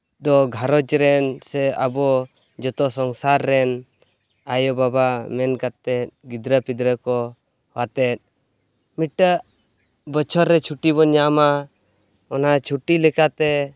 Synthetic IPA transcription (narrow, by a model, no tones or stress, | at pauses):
d̪ɔɡʱaɾɔd͡ʒɾɛnsɛa̰bɔ | d͡ʒɔt̪ɔsɔŋsaɾːɛn | ajɔbabamɛnkat̪ːɛt̪̚ɡid̪ɾəpid̪ɾəkɔ | wat̪ɛt̪̚ˀ | miʈːə | bət͡ʃʰɔɾːɛt͡ʃʰuʈibɔɲama | ɔnat͡ʃʰuʈilɛkat̪ɛ